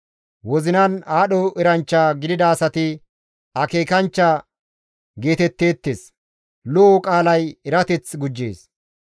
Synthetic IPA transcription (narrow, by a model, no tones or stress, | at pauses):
wɔzɪnɐnaːɗɔɪɾɐnt͡ʃːaːɡɪd̪ɪd̪ɐːsɐt̪ɪ | ɐke̞ːkɐnt͡ʃːaː | ɡe̞ːt̪ɛt̪ːe̞ːt̪ːeːs | lɔɔkʼaːlɐjɛɾɐt̪ɛt͡sɡʊd͡ʒːe̞̰ːs